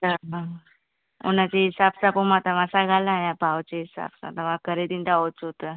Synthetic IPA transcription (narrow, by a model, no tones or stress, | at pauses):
t̪əɾɦã | onat͡ɕeɦisabsapomat̪amasaɡʱalajabʱawt͡ɕeɦisa̰bsa̰t̪aʋakəɾed̪int̪aot͡sot̪ə